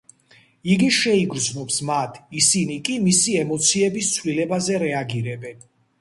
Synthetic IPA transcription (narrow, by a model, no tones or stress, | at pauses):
iɡiʃɛiɡɾd̪znɔpsmat̪ʰisinikʼimisiɛmɔt̪sʰiɛbist̪sʰvlilɛbazɛɾɛaɡiɾɛbɛn